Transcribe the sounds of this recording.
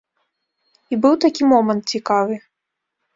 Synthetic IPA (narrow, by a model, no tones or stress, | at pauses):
ibɨwt̪akʲimɔmɐnt̪̚t͡sʲikavɨ